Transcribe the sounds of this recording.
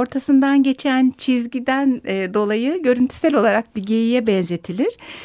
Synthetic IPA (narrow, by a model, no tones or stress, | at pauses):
o̞ɾt̪ʰasɯnd̪anɟe̞t͡ʃʰænt͡ʃʰizɟid̪ænːd̪o̞lˠajɯɟø̞ɾynt̪ʰy̥sɛlʲo̞lˠaɾak̚biɟe̞jijɛbɛnze̞t̪ʰilʲiɾ̥